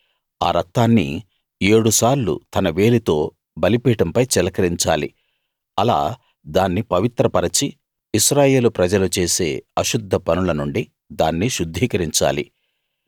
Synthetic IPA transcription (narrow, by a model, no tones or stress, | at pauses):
a̰ːɾɐt̪ːaːnːḭ | e̞ːɽusaːɾlṵt̪ɐnɐʋe̞ːlit̪o̞ː | bɐlipiːʈɐmpɐjt͡ʃɛlɐkɐɾiɲt͡ʃaːlḭ | ɐla̰ː | d̪aːnːipɐʋit̪ɾɐpɐɾɐt͡ʃiː | ʃɾaːje̞ːlupɾɐd͡ʒɐlut͡ʃe̞ːse̞ːɐʃud̪ʱːɐpɐnulɐnuɳɖi | d̪aːnːiʃud̪ʱːiːkɐɾiɲt͡ʃa̰ːlḭ